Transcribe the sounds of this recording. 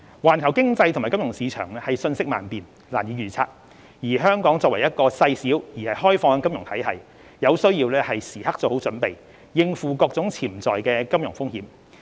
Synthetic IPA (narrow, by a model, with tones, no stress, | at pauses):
waː˨˩nkʰɐ˨˩wkɪ˥ŋt͡sɐ˧jt̪ʰʊ˨˩maː˨˩kɐ˥mjʊ˨˩ŋsiː˨˧t͡ʃʰœ̰ː˨˩ŋlɛː˥hɐ˨jsɵ˧nsɪ˥k̚ma̰ː˨npiː˨n | laː˨˩njiː˨˧ɥyː˨˩t͡sʰa̰ː˧˥t̚ | jiː˨˩ɦœː˥ŋkɔː˨˥ŋt͡sɔː˧k̚wɐ˨˩jɐ˥t̚kɔː˧sɐ˧jsiː˨˥wjiː˨˩hɐ˨jɦɔː˥jfɔː˧ŋ˧kɐ˥mjʊ˨˩ŋt̪ʰɐ˨˥jɐ̰˨˩j | jɐ˨˧wsɵ˥ɥjiː˧wlɛː˥hɐ˨jsiː˨˩hɐ˥k̚t͡sɔ˨˧˩ho˨˥wt͡sɵ˨˥npe˨j | jɪ˧ŋfuː˨kɔː˧k̚t͡sʊ˨˥ŋt͡sʰiː˨˩mt͡sɔː˨jkɛː˧kɐ˥mjʊ˨˩ŋfʊ˥ŋhiː˨˥m